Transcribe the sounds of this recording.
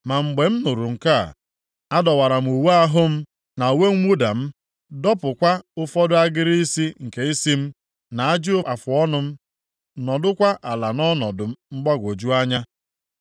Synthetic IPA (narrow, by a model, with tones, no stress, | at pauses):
ma˨ŋ͡m̩˨ɡ͡be˨m̩˦nʊ˨ɾu˨ŋ̩˨ka̰˦˨ | a˦dɔ˨wa˨ɾa˨m̩˨u˨we˦a˦ɦʊ˦m̩˦ | na˨we˦ŋ̩˦ŋʷu˦da̰˨m̩˦ | dɔ˦pʊ˨kʷa˦ʊ˦fɔ˦dʊ˦a˦ɡɪ˦ɾi˦i˦si˦ŋ̩˨ke˨i˦si˦m̩˦ | na˨a˦d͡ʒɪ˦ʊ˦a˨fʊ˨ɔ˦nʊ˦m̩˦ | nɔ˨dʊ˦kʷa˦ʔa˨la˨nɔ˦nɔ˨dʊ˨m̩˦m̩˦ɡ͡ba˦ɡʷo˨d͡ʒu˦a˦ɲa˦